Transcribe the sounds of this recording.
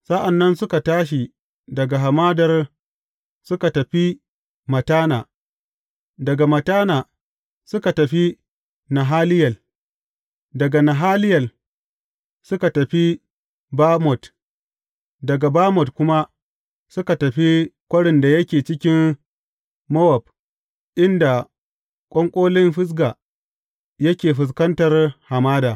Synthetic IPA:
sa˦ʔa˨nːɐ˦nsʊ˦ka˨taː˦ʃ̬i˨ | dɐ˨ɡa˨ɦa˨maː˦dɐ˦r | sʊ˦ka˨tɐ˨ɸi˦ | mɐ˨taː˦naː˨ | dɐ˨ɡa˨mɐ˨taː˦naː˨ | sʊ˦ka˨tɐ˨ɸi˦ | na˨ɦaː˦lɪ˦jɐ˨l | dɐ˨ɡa˨na˨ɦaː˦lɪ˦jɐ˨l | sʊ˦ka˨tɐ˨ɸi˦ | baː˦mɔ˨t | dɐ˨ɡa˨baː˦mɔ˨tkʷʊ˦ma˦ | sʊ˦ka˨tɐ˨ɸi˦kʷʼɐ˦ɽɪ˨nda˨jɐ˦kʲeː˨t͡ʃɪ˦kʲɪ˦m | mɔ˦wɐ˨b̚ | ʔɪ˦nda˨ | kʷʼɔ˦ŋkʷʼoː˦lɪ˦mɸɪ˦s̬ɡa˨ | jɐ˦kʲeː˨ɸʊ˨s̬kɐ˦ntɐ˨rha˨maː˦daː˨

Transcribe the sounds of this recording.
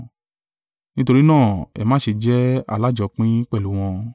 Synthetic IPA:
nĩ˦to˧ɾi˦nãː˦˨ɛ̰˨mãː˨˦ʃi˧d͡ʒɛ˦a̰˦˧˨la˦d͡ʒɔ˧˦k͡pĩ˦k͡pɛ˦˨lu˨˦w̃ɔ̃˧

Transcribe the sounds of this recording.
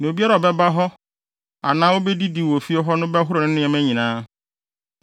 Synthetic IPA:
nɪ̃˨o˨bi˦a˦ɾa˨ɔ˨bɛ˦ba˦ɦɔ˦ | a̰˨nãː˦wo˦bɛ˦di˦di˨wɔ˨fi˦ɔ˦ɦɔ˦nʊ̃˦bɛ˦ɦʊ˦ɾʊ˨nɪ̃˦nɪ̃˦ɛ˨mɛ̃˦ɲĩ˨nãː˦

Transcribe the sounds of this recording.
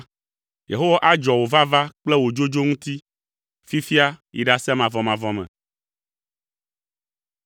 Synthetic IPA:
jḛ˨ɦo˦wa˦ʔa˦d͡ʒɔ˨wo˨va˦va˦k͡plɛ˦wo˨d͡ʒo˦d͡ʒo˦ŋũ˦t̪i˦ | fi˦fi˦a˦ḭ˨ɖa˨sɛ˦mã˨vɔ˨mã˨vɔ˦mɛ̰̃˨

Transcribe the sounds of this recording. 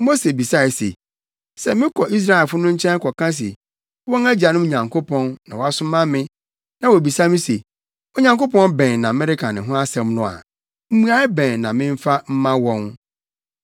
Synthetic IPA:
mo˦se˨bi˨sa˦˨sḛ˨ | sɛ˦mɪ̃˦kʰɔ˨ʔi˦s̬ɾa˦ɛ˨lfʊ˦nʊ̃˦ɲ̩˦t͡ɕʰɛ̃˦ŋ˦kʰɔ˨kʰã˦s̬ḛ˨ | wɔ̃˦ŋæ˦d͡ʑa˨nʊ̃˦mo˨ɲã˨ŋkʰo˦pʰɔ̃˦nnːã˨wɔ˨˦a˦sʊ˦mã˦mɪ̃˦ | nã˨wo˨bi˨sa˦mɪ̃˦se˨ | o˦ɲã˨ŋko˦pɔ̃˦nbɛ̃˨nnã˨mɛ˦ɾɪ˦kʰa˨nɪ̃˨ɦʊ̃˦a˦sɛ˦m˦nʊ̃˨a̰˨ | m̩˦mũ˦a˦ɪ˦bɛ̃˨nnã˨mɪ̃˦ɱ˦fa˦m̩˦mã˦wɔ̃˦n

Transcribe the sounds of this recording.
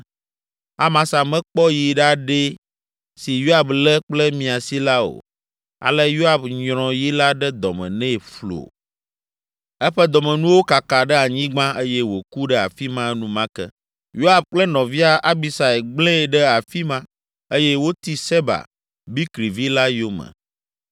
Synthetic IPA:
a˦mã˨sa˨mɛ̃˦k͡pɔ˦ji˨ɖa˦ɖe˦ | si˨jo˦a˦blɛ˦k͡plɛ˦mĩ˨a˨si˦la˦o̰˨ | a̰˨lɛ˦jo˦a˨bɲɾ̃ɔ̃˨ji˦la˦ɖɛ˦d̪ɔ̰˨mɛ̰̃˨nɛ̃˦˨flo̰˨ | ɛ˦ɸɛ˦d̪ɔ˨mɛ̃˨nũ˦wo˦ka˨ka˨ɖɛ˦a˨ɲĩ˦ɡ͡bã˦e˦jɛ˦wo˨ku˦ɖɛ˦a̰˨fi˦mã˦nũ˦mã˦kɛ̰˦ | jo˦a˨b̚k͡plɛ˦nɔ̃˨vi˦a˦ʔa˦bi˦sa˨ɛ˨ɡ͡blẽ˦˨ɖɛ˦a˨fi˦mã˦ | e˦jɛ˦wo˦t̪i˦se˦ba̰˨ | bi˦kɾi˨vi˦la˦jo˦mɛ̰̃˨

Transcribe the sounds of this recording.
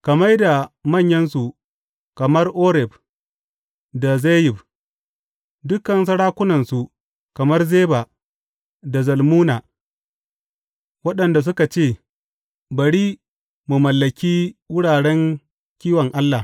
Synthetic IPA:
kɐ˨mɐ˦jda˨mɐ˦˨ɲjɐ˦nsu˨ | kɐ˨mɐ˦rʔoː˦ɾɛ˨b | da˨ze˦jɪ˨b | dʊ˦kːɐ˨ns̬ɐ˦ɽaː˦kʷʊ˦nɐ˨nsu˨ | kɐ˨mɐ˦rzeː˦ba˨ | da˨zɐ˨lmuː˦na˨ | wɐ˦ɗɐ˨nda˨s̬ʊ˦ka˨t͡ʃeː˦˨ | bɐ˨ɽiː˦ | mu˨mɐ˨lːɐ˨kʲiː˦wʊ˦ɽaː˨ɽɛ˦ŋ | kʲiː˦wɐ˨ŋʔa˦lːa˨

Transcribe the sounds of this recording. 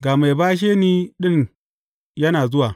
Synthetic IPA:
ɡa˨ma˨jbaː˦ʃ̬eː˦ni˦ɗɪ˦n | jɐ˦naː˨zʊ˦waː˨

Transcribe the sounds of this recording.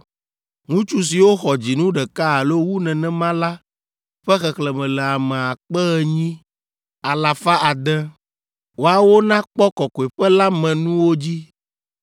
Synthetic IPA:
ŋũ˦t͡ʃu˦s̬i˨wo˦xɔ˨d͡ʑi˨nũ˦ɖɛ˨ka˦a˨lo˦wu˦nɛ̃˨nɛ̃˦mã˦la˦ | ɸɛ˦xɛ˨klɛ˨mɛ̃˨lɛ˨a˨mɛ̃˨a˨k͡pɛ˦ɣɛ˦ɲĩ˦ | a˨la˨fa˦a˨d̪ɛ̃˦ | wo˨a˨wo˦nã˦k͡pɔ˦kɔ˨kɔ˨ɛ˨ɸɛ˦la˦mɛ̃˨nũ˦wo˦d͡ʑi˦

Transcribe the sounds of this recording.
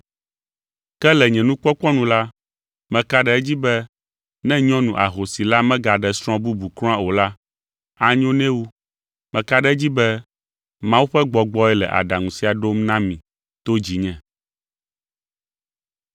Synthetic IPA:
kɛ˦lɛ˨ɲɛ̃˨nũ˦k͡pɔ˦k͡pɔ˦nũ˨˦la˦ | mɛ̃˨ka˦ɖɛ˦ɛ˦d͡ʑi˦bɛ˦ | nɛ̃˦ɲɔ̃˦nũ˨ʔa̰˨ɦo˨si˨la˦mɛ̃˦ɡa˨ɖɛ˨sɾ̃ɔ̃˦bu˦bu˨klɔ̃˦a˦o˨la˦ | a˦ɲõ˦nɛ̃˦wu˦ | mɛ̃˨ka˦ɖɛ˦d͡ʑi˦bɛ˦ | mã˦wu˦ɸɛ˦ɡ͡bɔ˨ɡ͡bɔ˦ɛ˦lɛ̰˨ʔa̰˨ɖa˨ŋũ˨si˦a˨ɖo˦mnã˦mĩ˨ | t̪o˦d͡ʑi˨ɲɛ̃˨

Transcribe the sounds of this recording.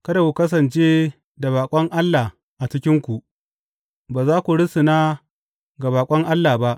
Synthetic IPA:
kɐ˦da˨kʷu˨kɐ˦s̬ɐ˨nt͡ʃeː˦ | da˨baː˨kʷʼɐ˦ŋʔa˦lːaː˨ | ʔa˨t͡ʃɪ˦kʲɪ˦ŋkʷu˨ʔ | baː˨zaː˦kʷu˨ɽɪ˦sɪ˨naː˦ | ɡa˨baː˨kʷʼɐ˦ŋʔa˦lːaː˨ba˦ʔ

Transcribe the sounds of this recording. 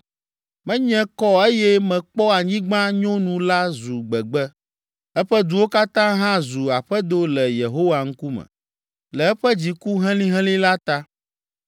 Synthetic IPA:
mɛ̃˦ɲɛ̃˦kɔ˦e˦jɛ˦mɛ̃˨k͡pɔ˦a˨ɲĩ˦ɡ͡bã˦ɲɔ̃˦nũ˨la˦zu˨ɡ͡bɛ˨ɡ͡bɛ˦ | ɛ˦ɸɛ˦d̪u˨wo˦ka˦t̪ã˦ɦã˦zu˨a˨ɸɛ˦d̪o˦lɛ˨je˨ɦo˦wa˨ŋ̩˦ku˦mɛ̰̃˨ | lɛ˨ɛ˦ɸɛ˦d͡ʑi˨ku˦ɦɛ̃˦lĩ˦ɦɛ̃˦lĩ˦la˦t̪a˦

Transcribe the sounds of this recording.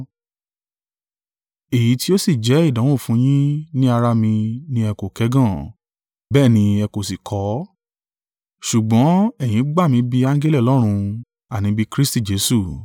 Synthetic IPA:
e˨ji˨˦ti˦o˦si˦˨d͡ʒɛ˨˦i˦˨dã˨˦wõ˦˨fũ˨˦j̃ĩ˦nĩ˦a˧ɾa˧mĩ˧nĩ˦ɛ˧ko˨kɛ˨˦ɡã˦˨ | bɛː˦˨nĩ˧ɛ˧ko˨si˨kʰɔ˨˦ | ʃu˨ɡ͡bɔ̃˨˦ɛ˦˨j̃ĩ˨˦ɡ͡ba˦˨mĩ˧bi˧ã˦ŋ˦ɡɛ˦lɛ˦˨lɔ˦ɾ̃ũ˧ | a˨nĩ˨˦bi˧kɾi˦sti˦˨d͡ʒe˨˦su˦˨

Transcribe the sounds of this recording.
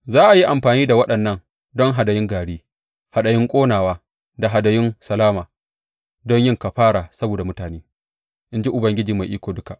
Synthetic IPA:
zaː˦ʔa˨ji˦ʔa˨mɸaː˨niː˦da˨wɐ˦ɗɐ˨nːɐ˦n | dɔ˦ŋɦa˨dɐ˨jɪ˦ŋɡaː˨ɽiː˦ | ha˨ɗɐ˨jɪ˦ŋkʷʼoː˦naː˨waː˦ | da˨ɦa˨dɐ˨jɪ˦nsɐ˨laː˦maː˨ | dɔ˦ɲjɪ˦ŋka˨ɸaː˦ɽaː˨sɐ˦boː˨da˨mʊ˦taː˨neː˦ | ʔɪ˦nd͡ʒi˦ʔʊ˨bɐ˦ŋɡʲɪ˦d͡ʒiː˨ma˨jʔiː˦kʷoː˨dʊ˦ka˨ʔ

